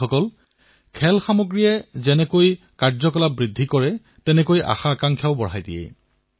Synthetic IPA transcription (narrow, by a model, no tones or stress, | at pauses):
ɔkɔl | kʰɛlxamoɡɹijɛzɛnɛkoj | kaɹzɔkɔlabɹidʱːikɔɹɛ | tɛnɛkojʔa̰xaːkaŋkʰjaʊbɔɹ̤ajdijɛ̰